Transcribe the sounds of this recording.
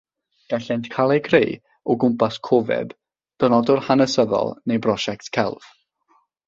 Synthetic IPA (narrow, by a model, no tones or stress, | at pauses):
ɡ̥aɬɛntkʰalˠejkʰrḛj | ɔɡʊmpaskʰɔvɛ̰b | d̥ənɔdʊrhanəsəðɔ̰lˠnejbrɔʃɛk̚tkʰɛ̰lˠv̥